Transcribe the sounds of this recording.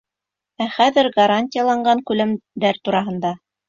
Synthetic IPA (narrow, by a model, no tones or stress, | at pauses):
æχæðɘɾɡɐɾanʲtʲɪjalˠɑɴɢɑŋkʉlæmd̪æɾt̪uɾɑɦɤ̆nd̪ɑ